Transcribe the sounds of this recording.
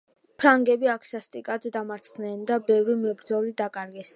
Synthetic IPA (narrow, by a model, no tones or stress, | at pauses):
pʰɾaŋɡɛbiakʰsast̪ʼikʼad̪d̪amaɾt̪sʰχnɛnd̪abɛvɾimɛbɾd̪zɔlid̪akʼaɾɡɛs